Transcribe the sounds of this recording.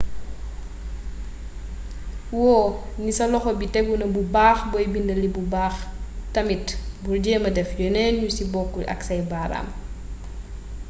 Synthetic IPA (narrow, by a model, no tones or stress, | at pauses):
wɔːnisɐlɔxɔbitɛɡunɐbubaːxbɔjbindɐlibubaːxtɐmitburɟɛːmɐdɛfjɔnɛnɲusibɔkːuʔɐ̰ksɐjbaːɾa̰ːm